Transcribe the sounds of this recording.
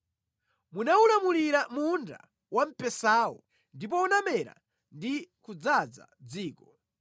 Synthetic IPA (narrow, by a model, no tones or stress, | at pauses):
munaulamuliɾamunda̰ | wam̩pɛsaːwɔ | ndip̬ɔunamɛɾa̰ | ndikud͡zad͡za̰d͡ziːkɔ